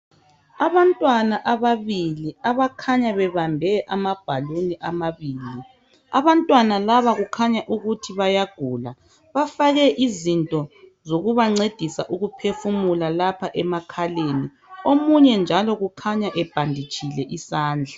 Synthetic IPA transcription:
aβantʼwanaʔaβaβiliaβakʰaɲaβɛβambʱɛʔamab̥ʱaloniʔamaβiːli | aβantʼwanalaβaɣukʰaɲaʔuɣutʰiβajaɡ̥ʱula | βafaɣɛʔizintʼɔzoɣuβaŋ͡ǀed̥ʱisaʔuɣupʰefumulalapʰaʔɛmakʰaleni | omuɲɛnd͡ʒʱalɔɣukʰaɲaʔɛb̥ʱandʱit͡ʃʼʰilɛʔisaːnd͡ɮʱa

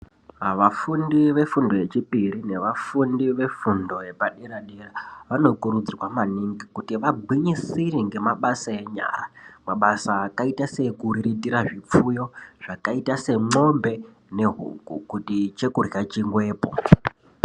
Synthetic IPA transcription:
aʋafundiʋe̞fundo̞je̞t͡ʃipiɾine̞ʋafundiʋe̞fundo̞je̞paɗiɾaɗiraʋano̞kuɾud͡zirwamaniŋɡikutiʋaɡʱwiɲisiriŋɡe̞maɓasae̞ɲa̰ːramaɓasaːkaitase̞kuriɾitiɾaʐip͡fujo̞ʐ̥akaitase̞ŋ͡ǃo̞mbe̞ | ne̞ɦṵkukutit͡ʃe̞kurjat͡ʃiŋɡwe̞ːpo̰

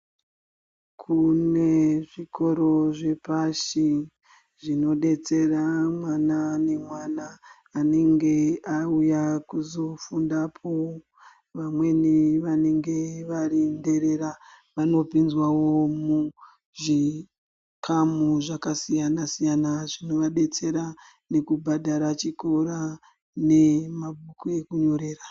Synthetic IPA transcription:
kʰune̞ʐiko̞ɾo̞ʐe̞paʃi | ʐino̞ɗe̞t͡se̞ramwanane̞mwanaː | ne̞ŋɡe̞aujakuzo̞fundapʰo | ʋamwe̞niʋane̞ŋɡe̞ʋarinde̞ɾe̞ɾa | ʋano̞pinzwawo̞mu | ʐi | kʰamuʐakasijanasijanaʐino̞ʋaɗe̞t͡se̞ɾa | ne̞kubʱadʱaɾat͡ʃiko̞ɾa | ne̞mabʱukuekuɲo̞ɾe̞ːra

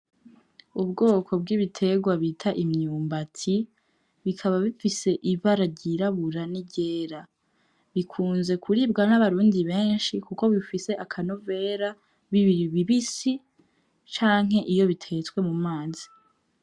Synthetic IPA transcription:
ubɡo̞ːkʰo̞b̚ɡiβitʰe̞ɡwaβitʰaʔimɲuːmbatʰi | βikʰaβaβifise̞ʔiβaɾaɾɟiɾaβuɾaniɟeːɾa | βikʰuːnze̞kʰuɾiːbɡanaβaɾuːndiβe̞ːnʃikuko̞βifise̞ʔakʰanove̞ːɾa | βiβiiβiβisi | t͡ʃaːŋ̥ɦe̞ʔijo̞βitʰe̞t͡skwe̞mumaːzi̥

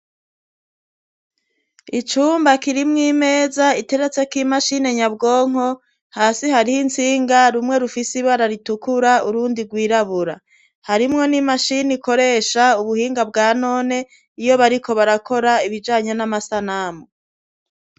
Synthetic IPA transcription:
it͡ʃuːmbakiɾimŋiːme̞ːzaite̞ɾe̞t͡se̞kimaʃine̞ɲabɡo̞ːŋ̥o̞ | haːsiɦaɾihint͡siːŋɡaɾumŋe̞ɾufisiβaɾaɾitukuɾauɾuːndiɾɡwiːɾaβuɾa | haɾimŋo̞nimaʃiniko̞ɾe̞ːʃauβuhiːŋɡabɡaːno̞ːne̞ | ijo̞βaɾiko̞βaɾakʰo̞ɾaiβid͡ʒaːɲe̞namasanamo

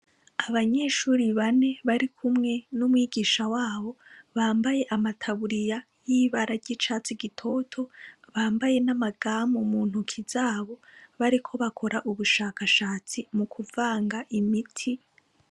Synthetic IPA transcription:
aβaɲe̞ːʃuːɾiβane̞βaɾikʰumŋe̞numwiːɡiːʃawaːβo̞βaːmbaje̞ʔamatʰaβuɾija | jiβaɾaɾɟit͡ʃaːt͡siɡitʰo̞tʰo̞βaːmbaje̞namaɡaːmumuːn̥hukʰizaːβo̞βaɾikʰo̞βakʰo̞ɾʔaʔuβuʃaːkaʃaːt͡simukʰuvaːŋɡaʔimitʰi

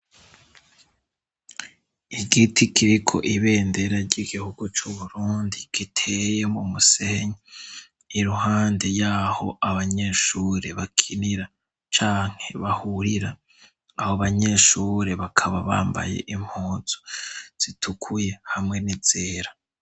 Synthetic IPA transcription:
iɡitʰikʰiɾikʰo̞̰ʔiβe̞ːnde̞ɾaɾɟiɡihuɡut͡ʃuβuɾuːndiɡ̥itʰejemumuseɲa | iɾuhaːnde̞jaːho̞̰ʔaβaɲe̞ːʃuːɾe̞βakʰiniɾa | t͡ʃaːŋ̥he̞βahuɾiɾaː | hoβaɲe̞ːʃuːɾe̞βakʰaβaβa̰ːmba̰je̞̰ʔim̥hoːz̥o̥z̥itʰukʰuje̞hamŋe̞niz̥eːɾa

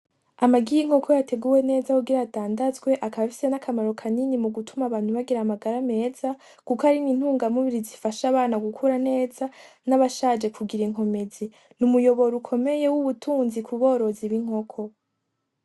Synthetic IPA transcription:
amaɡijiŋ̥ho̞kʰo̞jate̞ɡuwe̞ne̞ːzakuɡiɾataːndazɡwe̞ʔakaβafi̥se̞nakʰamaɾo̞kʰaninimuɡutʰumaβaːn̥huβaɡiɾamaɡaɾame̞ːza | kukaɾinin̥huːŋɡamuβiɾizifaʃaβaːnaɡukʰuɾane̞ːza | naβaʃaːd͡ʒe̞kuɡiɾiŋo̞me̞zi | numujo̞βo̞ɾukʰo̞me̞je̞wuβutʰuːnzikʰuβo̞ːɾo̞ziβiŋ̥o̞kʰo̞

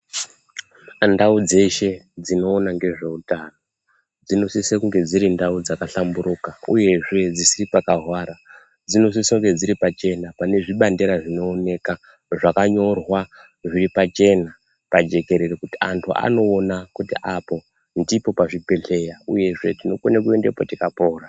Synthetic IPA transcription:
ndaud͡ze̞ʃe̞d͡zino̞ːnaŋɡe̞ʐe̞utano | d͡zino̞sisekuŋɡe̞d͡ziɾindaud͡zakaɬambuɾukauje̞ʐe̞d͡zisiripakaɦwaːɾa | d͡zino̞s̬isoŋɡe̞d͡ziɾipat͡ʃe̞napane̞ʐiɓandeɾaʐino̞ːne̞ka | ʐakaɲo̞rwa | ʐiripat͡ʃe̞na | pad͡ʒe̞ke̞ɾe̞rekutia̰ntʰuʔa̰no̞ːnakutiʔapo̞ | ndipo̞paʐipe̞ɬe̞jauje̞ʐe̞tino̞konek̬ue̞ndepotikapoːra

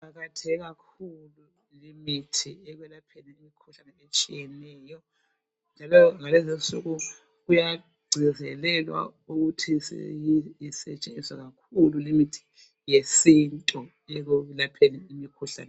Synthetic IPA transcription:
paɣatʰɛɣakʰulu | limitʰiɛɣwɛlapʰeniimikʰuɬanɛet͡ʃʼijɛnɛːjɔ | nd͡ʒʱalɔŋalɛzinsuɣu | ɣuja | ɡ͡ǀʱizɛlɛlwa̰uɣutʰisjiisɛ̰t͡ʃʼenisa̰ɣakʰululimitʰi̥ | jesintʼɔ | ɛɣulapʰeniimikʰuɬa̰ːnɛ

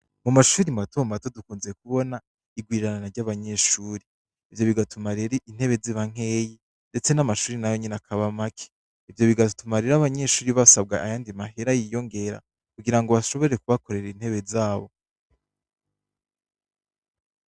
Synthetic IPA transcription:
mumaʃuːɾimatumato̞dukuːnzekuβo̞na | iɡwiːɾananaɾɟaβaɲe̞ʃuːɾiː | vjo̞βiɡatumaɾeɾiin̥he̞βe̞ziβaŋ̥e̞ːji | nde̞t͡se̞namaʃuːɾinajo̞ɲenakʰaβamakʰe̥ | ivjo̞βiɡatumaɾeɾaβaɲe̞ʃuːɾiβasabɡaːjaːndimaɦeɾajijo̞ŋɡe̞ɾa̰ | kuɡiɾaŋɡoβaʃo̞βo̞eɾe̞kuβako̞ɾe̞ɾin̥he̞βe̞zaːβo̞

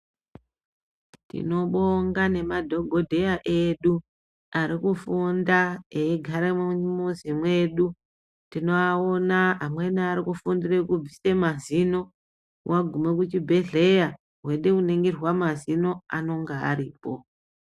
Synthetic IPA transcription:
tḭno̞ɓoŋɡane̞madʱo̞ɡʱo̞dʱe̞jaʔe̞ɗu | aɾikufundaeːɡʱaɾemmuzimwe̞ɗu | tino̞aonaɦamwe̞niːɾikufundire̞kub͡visemazino̞ | wʔaɡʱume̞k̬ut͡ʃibʱe̞ɮe̞ja | ɦwe̞ɗekuneŋɡirwamazino̞ano̞ŋɡaa̰ɾiːpo̞

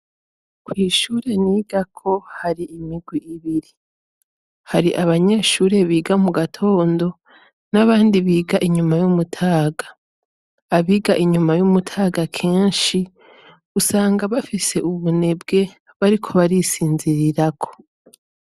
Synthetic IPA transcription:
kwiːʃuːɾe̞niːɡ̥akʰo̞haɾiʔimiɡwiʔiβiɾi | haɾiʔaβaɲe̞ːʃuːɾe̞βiːɡamuɡatʰo̞ːndo̞ | naβaːndiβiːɡaʔiɲumajumutʰaːɡaː | βiːɡaʔiɲumajumutʰaːɡakʰe̞ːnʃi | ɡusaːŋɡaβafise̞ʔuβune̞b̚ɡe̞ | βaɾikʰo̞βaɾisiːnziɾiɾakʰo̞̥

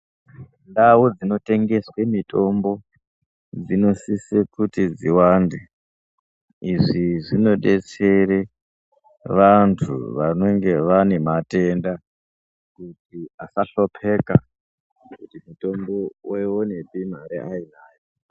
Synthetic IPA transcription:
ndawud͡zino̞te̞ŋɡe̞swe̞mitʰʼo̞mbo̞ | d͡zino̞sisekutid͡ziwande | iʐiʐino̞ɗe̞t͡se̞ɾe | ʋantʰṵʋano̞ŋɡe̞ʋane̞mate̞nda | kutiasaɬo̞pʰe̞ka | kkutimuto̞mbowewonepim̤aɾḭʔainaːjo

